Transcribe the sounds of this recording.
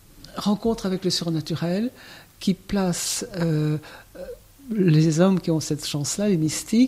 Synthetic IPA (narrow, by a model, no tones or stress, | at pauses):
ʁɑ̃kɔ̃t̪χavɛkləsyʁnat̪yʁɛlkʲiplasø | lezɔmkʲiɔ̃sɛt̪ʃɑ̃slalemist̪i